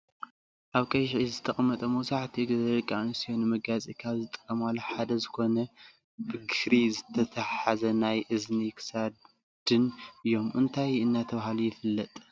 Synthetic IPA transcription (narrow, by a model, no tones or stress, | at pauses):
ʔaβkʼɐjʃʕizɨt̪ʰɐχʼmːɐt̪ʼɐmɐwsaʕt̪ʰiɡɐzɐɾkʼːansijonɨmɐɡat͡sʼikʰaβzɨt̪ʼɨ̥kʼːɐmalːoħad̪ɐzɨko̞nɐ | bɨɡɨhɾizɨt̪ʰɐt̪ʰɐħazɐnajʔɨznikʰɨ̥sa | d̪̥ɨnɨjo̞mʔɨnt̪ʰajɨnːat̪ʰɐβahalujɪfɨlːɐt̪ʼ